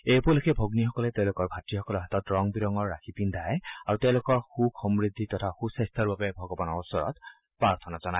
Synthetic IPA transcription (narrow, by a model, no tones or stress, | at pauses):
ejpuɔlekʰɛbʱoɡnixɔkɔlɛteʊ̃lʊkɔɹbʱatɹixɔkɔlɔɹɦatɔtɹɔŋbiɹɔŋɔɹːaxʰipind̪ʱajaɹutɛʊ̃lʊkɔɹxuxɔmɹid̪ʱːitɔtʰaxusajst̪ʰaɹbabɛbʱɔɡɔbɔnɔɹɔsɔɹɔ̰t | pɹaɹt̪ʰɔnazɔnaj